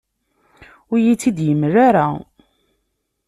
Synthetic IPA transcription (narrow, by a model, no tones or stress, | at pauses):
ʊɾjit͡sːid̪jəmːraɾa